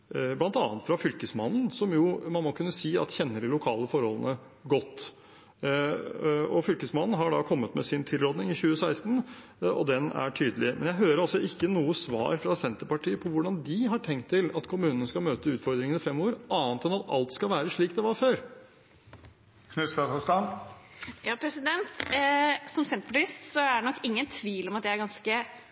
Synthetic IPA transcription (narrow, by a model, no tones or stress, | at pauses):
blɑnt̪ɑːnt̪fɾɑfʏlkəsmɑnn̩sɔmjʊːmɑnmɔkʰʉnːəsiːɑ̰t̪çɛnːəɖɪlʊkʰɑːləfɔɾhɔlənə | ɡɔt̪ː | ɔfʏlkəsmɑnn̩ɦɑɖɑ̰kʰɔmːət̪mɛsɪnt̪ʰɪlɾoːd̪nɪŋɪçʉːəsæɪst̪n̩ | ɔ̰d̪ɛnæ̰ʈʰyːd̪əlɪmɛnjæɪɦøːɾəɾɑsɔʔɪkːənuːəsʋɑ̰ːɾfɾɑsɛnt̪əɾpɑʈʰiːəpʰɔʋʊɖɑnd̪ɪɦɑʈʰɛŋkt̪ʰːɪlɑt̪kʰʊmʉːnənəskɑlmøːt̪əʉːt̪fɔɾd̪ɾɪŋənɪfɛmoːɾʔɑːnt̪ɛnɑt̪ɑ̰lt̪skɑlʋæːɾəʂɭiːkd̪ɛʋɑɾføːɾ | kʰnʉsɑt̪ɑst̪ɑn | jɑːpʰɾɛsɪd̪ɛnt̪ | sɔmsɛnt̪pʰɑʈɪst̪sɔæɖɛnɔkːɪŋːənt̪ʰʋiːlɔmɑt̪djæɪæɾɡɑnskə